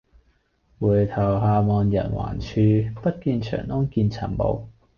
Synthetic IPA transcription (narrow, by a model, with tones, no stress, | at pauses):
wuː˨˩jt̪ʰɐ˨˩wɦaː˧mɔː˨˧njɐ̰˨˩nwa̰ː˨˩nt͡ʃʰyː˧pɐ˥t̚kiː˧nt͡ʃʰœ̰ː˨˩ŋnɔː˥ŋkiː˧nt͡sʰɐ˨˩nmo̰˨˧w